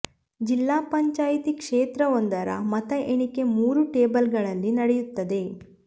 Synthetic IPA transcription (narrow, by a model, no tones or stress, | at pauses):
d͡ʒilːaːpɐɲt͡ʃaːjit̪ikʂeːt̪ɾɐʋond̪ɐɾɐ̰mɐt̪ɐʔeɳike̞muːɾuʈeːbɐlɡɐɭɐlːinɐɽejut̪ːɐd̪e̞